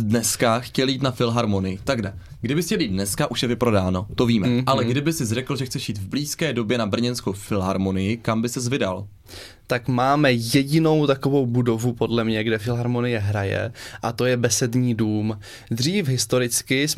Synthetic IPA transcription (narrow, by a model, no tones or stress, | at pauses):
dnɛskaxcɛljiːt̪nafɪlɦaɾmo̞nɪjɪt̪aɡda | ɡdɪbɪxcɛljiːt̪d̪nɛskaʔuʃjɛvɪpɾo̞daːno̞t̪o̞viːmɛʔalɛɡdɪbɪsɪzrɛkl̩ʒɛxt͡sɛʃjiːt̪vbliːskɛːdo̞bjɛnabr̩ɲɛnskowfɪlɦaɾmo̞nɪjɪkambɪsɛzvɪdal | t̪akmaːmɛjɛɟɪno̞wt̪ako̞vo̞wbudo̞vupodlɛmɲɛɡdɛfɪlɦaɾmonɪjɛɦɾajɛ̰ʔat̪o̞jɛbɛsɛd̪ɲiːduːm | d̪r̝iːfɦɪst̪o̞ɾɪt͡skɪs